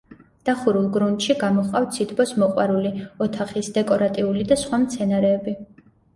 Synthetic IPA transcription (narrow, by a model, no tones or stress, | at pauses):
d̪̥aχuɾulˠɡɾunt̪ʃiɡamɔχqʼaft̪sʰit̪ʰbɔsmɔqʼwa̰ɾuliɔt̪ʰaχisd̪ɛkʼɔɾat̪ʼiulid̪asχwamt̪sʰɛnaɾɛːbi